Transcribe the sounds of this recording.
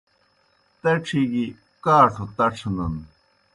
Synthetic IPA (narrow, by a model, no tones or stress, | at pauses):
t̪eʈ͡ʂʰiɡi | kaːʈ͡ʂʰut̪ɐʈ͡ʂʰnɐn